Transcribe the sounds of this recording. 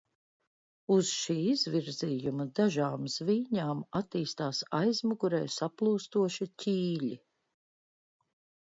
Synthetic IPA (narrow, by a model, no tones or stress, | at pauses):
uzʃiːizviɾziːjumɐd̪aʒaːmz̥viːɲaːmat̪iːst̪aːsajzmuɡuɾɛ̰ːjsaplˠuːst̪uɔʃicʲiːʎʲi